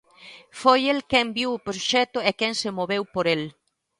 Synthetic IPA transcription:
fojelkɛmbiwʊpɾoʃɛt̪oekɛŋsemoβewpoɾel

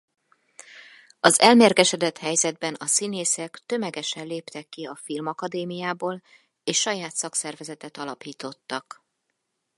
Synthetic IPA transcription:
ɒzɛlmeːrɡɛʃɛd̪ɛt̪hɛjzɛd̪̚bɛnɒsineːsɛkt̪ø̞mɛɡɛʃɛnleːpt̪ɛkːiɒfilmɒkɒd̪eːmijaːboːl | eːʃːɒjaːt̪sɒksɛrvɛzɛt̪ɛt̪ɒlɒpiːt̪o̞t̪ːɒk

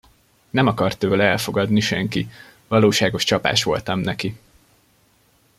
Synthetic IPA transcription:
nɛmɒkɒrt̪øːlɛɛlfo̞ɡɒd̪niʃɛŋki | vɒloːʃaːɡo̞ʃt͡ʃɒpa̰ːʃʋo̞̰lt̪ɒmnɛki

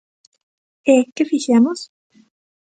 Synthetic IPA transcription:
ekefiçjamos

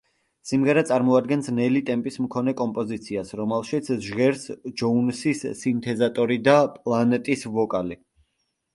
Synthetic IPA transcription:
simʁɛɾɛt̪sʼaɾmɔad̪ɡɛnsnɛlit̪ʼɛmpʼismkʰɔnɛkʼɔmpʼɔzit̪sʰiasɾɔmɛlˠʃit̪sʰʒʁɛɾsd͡ʒɔunsisːint̪ʰɛzat̪ʼɔɾid̪apʼlˠanɛt̪ʼisvɔkʼali

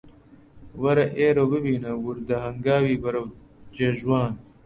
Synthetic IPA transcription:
wɐɾɐʔeːɾobəbiːnɐwuɾd̪ɐɦɐŋɡaːwiːbɐɾɐw | d͡ʒeːʒwɑːn

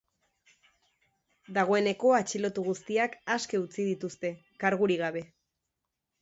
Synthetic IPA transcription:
d̪aɣ̞o̞e̞ne̞ko̞at͡ʃilo̞t̪uɣust̪iakaske̞ut͡sið̞it̪ust̪e̞ | kaɾɣ̞uɾiɣ̞aβe̞

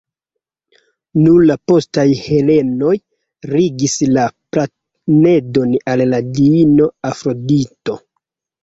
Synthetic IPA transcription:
nuɾlapo̞stajhe̞le̞no̞j | ɾiɡislapla | ne̞do̞nalːadiino̞afɾo̞dito̞

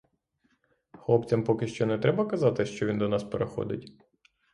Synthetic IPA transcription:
xlˠɔpt͡sʲɐmpɔkɪʃt͡ʃɔnɛt̪ɾɛbɐkɐzɑt̪ɪʃt͡ʃɔʋʲind̪ɔnɑspeɾexɔ̰d̪ɪ̰tʲ

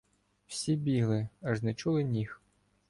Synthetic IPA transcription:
w̥sʲibʲiɦlˠɪɐʒnɛt͡ʃulˠɪnʲix

